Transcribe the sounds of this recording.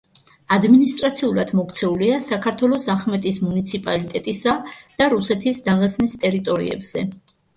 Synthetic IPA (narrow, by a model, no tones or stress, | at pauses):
ad̪minist̪ʼɾat̪sʰiulˠad̪̥mɔk̚t̪sʰɛuliasakʰaɾt̪ʰwɛlˠɔsaχmɛt̪ʼismunit̪sʰipʼalit̪ʼɛt̪ʼisad̪̥aɾusɛt̪ʰisd̪aʁɛsnist̪ʼɛɾit̪ʼɔɾḭɛ̰bz̥ɛ